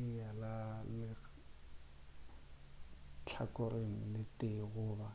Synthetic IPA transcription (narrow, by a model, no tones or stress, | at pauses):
ɪjalalɪ | t͡ɬʰa̰kʊɾʔeŋ̩lɪtʼɪɣʊːba